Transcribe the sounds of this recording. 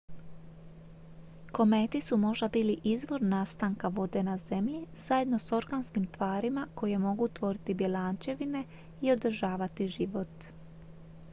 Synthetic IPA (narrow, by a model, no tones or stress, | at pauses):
ko̞me̞t̪isumo̞ʒd̪abiːliʔizʋo̞ɾnaːst̪aŋkaʋo̞d̪e̞naze̞mʎiz̥aje̞d̪noso̞ɾɡanskimt̪ʋaːɾimako̞je̞mo̞ɡut̪ʋo̞ɾit̪ibje̞laːnt͡ʃe̞ʋine̞ | io̞d̪r̩ʒaːʋat̪iʒiʋo̞t̪